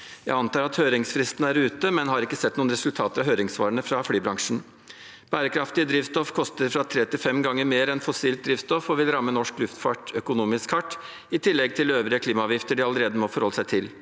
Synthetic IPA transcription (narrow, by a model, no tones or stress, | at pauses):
jæ̰ɪɑnt̪ɑːɾɑt̪høːɾɪŋsfɾɪst̪næɾʉːt̪əmɛnhɑɾɪkːəsɛt̪ːnuːnɾɛsʉlt̪ʰɑːt̪əɾɑʋhøːɾɪŋsʋɑ̰ːɾəɳəfɾɑflyːbɾɑŋʂn̩ | b̥æːɾəkʰɾɑft̪ɪəd̪ɾiːʋst̪ɔfkʰɔst̪əɾfɾɑt̪ʰɾeːt̪ɪlfɛmɡɑŋːəɾmeːɾɛnfɔsiːlt̪̚d̪ɾiːʋst̪ɔfɔʋɪlɾɑmːənɔʂklʉft̪fɑʈœkʊnuːmɪskhɑʈː | ɪt̪ʰɪlːɛɡ̚t̪ʰɪløːʋɾɪəkʰliːmɑɑːʋjɪft̪əɖɪɑləɾeːd̪əmɔfɔɾhɔlːəsæɪt̪ʰɪl